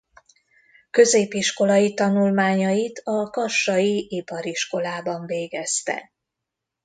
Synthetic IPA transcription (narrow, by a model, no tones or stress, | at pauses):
kø̞zeːpiʃko̞lɒjit̪ɒnulmaːɲɒjit̪ʰɒkɒʃːɒjiʔipɒɾiʃko̞laːbɒɱveːɡɛst̪ɛ̰